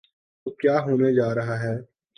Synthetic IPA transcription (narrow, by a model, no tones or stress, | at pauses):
t̪oːkjaːɦoːned͡ʒaːɾɐɦaɦɛː